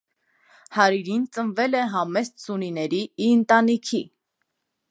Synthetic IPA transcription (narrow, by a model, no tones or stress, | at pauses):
hɑɾiɾint͡sənvɛlɛɦɑmɛssuninɛɾiːənt̪ɑnikʰi